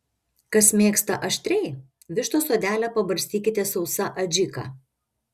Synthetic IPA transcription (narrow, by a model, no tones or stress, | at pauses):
kɐsmʲeːkst̪ɐʔɐʃʲt̪ʲɾʲɛɪ | ʋʲɪʃt̪oːsoɔːd̪ʲæːlʲɛpɐbɐɾʲsʲt̪ʲiːkʲɪt̪ʲɛsɒʊsɐʔɐd͡ʒʲɪkɑ̰ː